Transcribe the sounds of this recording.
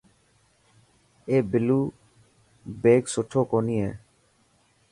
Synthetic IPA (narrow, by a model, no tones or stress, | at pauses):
eːbɪluː | beːksʊʈʰoːkoːniːḛː